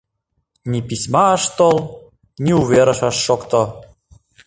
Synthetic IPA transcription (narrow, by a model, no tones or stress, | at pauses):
nʲipisʲmɑːʃt̪olˠ | nʲiuβeɾɤ̆ʃɑʃːokt̪ŏ